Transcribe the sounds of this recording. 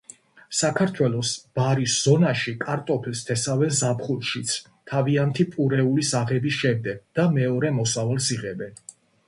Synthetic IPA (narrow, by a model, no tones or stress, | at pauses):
sakʰaɾt̪ʰwɛlˠɔsb̥aɾisz̥ɔnaʃikʼaɾt̪ʼɔpʰilst̪ʰɛsavɛnzapχulˠʃit̪sʰ | t̪ʰaviant̪ʰipʼuɾɛulisaʁɛbisʃɛmd̪ɛɡ̥̚d̪̥amɛɔɾɛmɔsavalsiʁɛbɛn